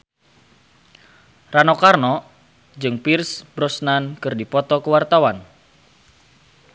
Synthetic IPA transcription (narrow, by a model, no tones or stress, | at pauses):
ranɔkarnɔ | d͡ʒɨŋpirsbɾɔsnankɨrdipɔt̪ɔkəwart̪awan